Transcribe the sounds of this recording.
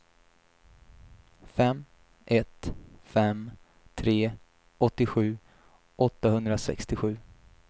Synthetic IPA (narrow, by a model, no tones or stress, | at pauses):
fɛm | ʔɛt̪fɛm | t̪ʰɾeː | ɔt̪ːɪɧʉ̟ː | ʔɔt̪ːahɵnd̪ɾasɛ̰kst̪ɪɧʉ̟ː